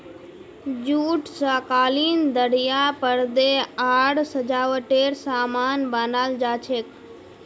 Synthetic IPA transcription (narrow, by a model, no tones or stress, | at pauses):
d͡ʒuːʈsaːkaːliːnd̪əɽjapəɾd̪eaːɽsəd͡ʒaːʋəʈeːɾsaːmaːnbanaːld͡ʒaːt͡ʃʰeːk